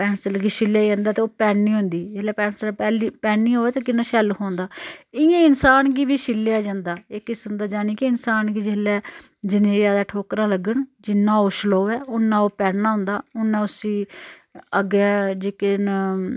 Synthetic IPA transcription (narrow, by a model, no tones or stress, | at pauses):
pɛːnsəlɡiːʃɪlːjaːd͡ʒãːnd̪aːt̪eoːpɛːnːĩːɦʊ̃nd̪iːd͡ʒeːlɛːpɛːnsəlpɛːliːpɛːnːiːɦoːɛːt̪eːkɪnːãːʃɛːlɦõːnd̪aːɪãːɪnsaːnɡiːbiːʃɪlːjaːd͡ʒãːnd̪aːɪkːɪsəmd̪aːd͡ʒaːniːkɪɪnsaːnɡiːd͡ʒeːlɛː | d͡ʒɪneːjaːd̪aːʈʰoːkɾãːləɡəɳd͡ʒɪnːãːoːʃəloːɛːʊnːãːoːpɛːɽnãːɦʊ̃nd̪aːʊnːãːʊsĩː | əɡɛːd͡ʒeːken